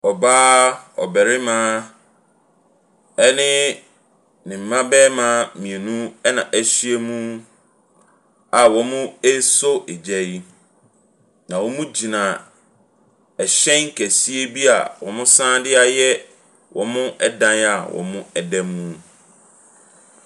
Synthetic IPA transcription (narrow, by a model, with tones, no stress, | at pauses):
ɔ˨baː˦ɔ̰˨bɛ˨ɾɪ˦mãː˨˦ | ɛ˦nɪ̃˦ | nɪ̃˨m̩˨mã˦bɛ˦mã˦mĩ˨e˨nũ˦ɛ˦nã˨ʔæ˦si˦e˦mũ˦ | a˨wɔ̃˨mʊ̃˦e˦so˦ʔe˨d͡ʑɛ˦i˦ | nã˨wɔ˦mũ˦d͡ʑi˨nã˨ | ɛ˨ɕɛ̃˦ŋ̩˦kʰæ˨si˦e˦bi˦a̰˨wɔ̃˨mʊ̃˦sã˦dɪ˦a˨jɛ˦ | wʔɔ̰̃˨mʊ̃˦ʔɛ˦dã˦na˨wɔ̰̃˨mʊ̃˦ɛ˨dɛ̃˦mːũ˦